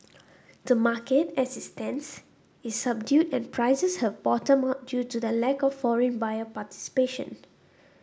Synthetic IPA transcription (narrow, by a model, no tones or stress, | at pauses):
dəmaketɛsistə̃ns | isːab̚djudɛ̃npʰɹaɪsəshɛvbɔtə̃mat̚djutudəlɛkɔfːɔɹə̃nbajəpati̥si̥peʃə̰̃n